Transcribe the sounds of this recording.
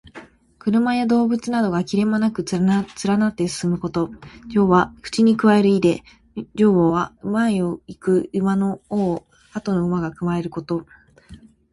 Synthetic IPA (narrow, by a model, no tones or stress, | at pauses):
kɯ̟ɾɯ̟majad̪o̞ːbɯ̟t͡sɨnad̪o̞ɡakʲiɾe̞manakɯ̟t͡sɨɾanat̪ːe̞sɨ̥sɨmɯ̟ko̞t̪o̞d͡ʑo̞ːβakɯ̟̥t͡ɕiɲ̟ikɯ̟βae̞ɾɯ̟id̪e̞ | d͡ʑo̞ːβoːβaɯ̟maioikɯ̟ɯmano̞oː | at̪o̞noɯ̟maɡakɯ̟mae̞ɾɯ̟ko̞t̪o̞